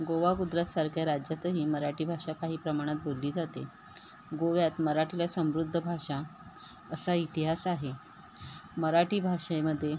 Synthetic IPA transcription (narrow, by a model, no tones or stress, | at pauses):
ɡoʋaɡud̪ɾasaɾkʰjaɾad͡ʑjat̪əɦiːməɾaʈiːbʱaʂakaɦiːpɾəmaɽ̃at̪̚bolːiːd͡zat̪e | ɡoʋjat̪məɾaʈilasə̃mɾud̪ʱːəbʱaʂa | əsait̪iɦasaɦe | məɾaʈiːbʱaʂajməd̪ʱːje